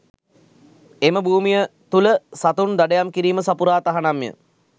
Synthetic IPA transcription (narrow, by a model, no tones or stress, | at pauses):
eməbuːmijət̪uləsat̪und̪aɖəjamkiɾiːməsapuɾaːt̪aɦanamjə̰